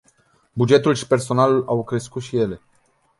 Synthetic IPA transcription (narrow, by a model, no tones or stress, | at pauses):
bud͡ʒe̞t̪ulʃi̥pe̞rso̞nalulawkɾe̞skut̪ʃije̞le̞